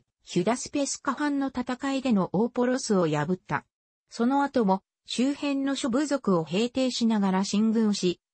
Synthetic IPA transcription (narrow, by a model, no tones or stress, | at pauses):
çɯd̪asɨ̥pe̞sɨ̥kaɸãnːo̞t̪at̪akaid̪e̞no̞ʔoːpo̞ɾo̞sɨo̞jabɯ̟t̪ːa̰ | so̞no̞at̪o̞mo̞ | ɕɨːhẽ̞nːo̞ɕobɯ̟zo̞kɯ̟o̞he̞ːt̪e̞ːɕinaɡaɾaɕĩŋɡɯ̟̃ɰɕi